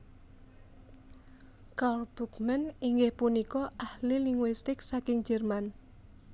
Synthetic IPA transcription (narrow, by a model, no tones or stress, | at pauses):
kalb̥ṳkmɛniŋɡɪhpunikɔʔahliliŋɡwist̪ɪksakɪŋd͡ʒɛrman